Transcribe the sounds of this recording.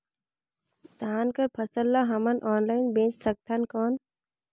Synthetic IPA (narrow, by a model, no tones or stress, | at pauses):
d̪ʱaːnkəɾpʰɐsəlːaɦɐmɐnʔɔːnlaɪnbẽːt͡ʃsək̚ʈ̪ʰankoːn